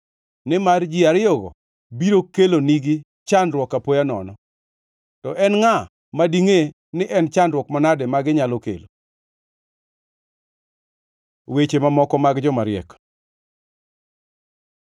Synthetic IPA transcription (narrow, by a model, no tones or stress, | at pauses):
nɪmard͡ʒiaɾɪɔɡɔ̰ | biɾokeloniɡɪ | t͡ʃandɾwɔkapojanɔ̰nɔ | tɔʔɛnŋa | madiŋe | nɪʔɛnt͡ʃandrɾwɔkmanadɛmaɡɪɲalokḛlo | wet͡ʃemamɔkɔmaɡd͡ʒɔmaɾɪɛ̰k